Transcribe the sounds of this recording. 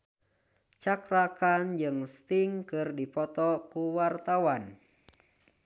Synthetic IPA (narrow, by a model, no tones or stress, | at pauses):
t͡ʃakɾakand͡ʒɨŋst̪iŋkɨrdipɔt̪ɔkuwart̪awan